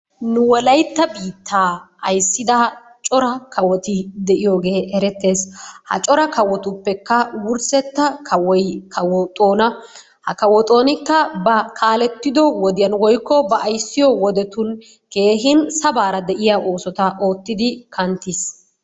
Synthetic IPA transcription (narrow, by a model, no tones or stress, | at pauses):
nʊwɔlɐjt̪ːɐbiːt̪ːaː | ɐjsːɪd̪ɐ | t͡ʃʼɔɾɐkʰɐwɔt̪ɪd̪ɛʔɪjoːɡe̞ːɛɾɛt̪ːe̞ːshɐ̰t͡ʃʼɔɾɐkɐwɔt̪ʊpːɛkːɐwʊɾsɛt̪ːɐkʰɐwɔjkʰɐwɔt̪ʼo̞ːnɐ | hɐkɐwɔt̪ʼo̞ːnɪkːɐbɐkʰaːlɛt̪ːɪd̪ɔwɔd̪ɪjɐnwɔjkːɔbɐʔːjsːɪjɔwɔd̪ɛt̪ʊn | ke̞ːɦɪnsɐbaːɾɐd̪ɛʔɪjaʔo̞ːsɔt̪ɐʔo̞ːt̪ːɪd̪ɪkʰɐnt̪ːɪs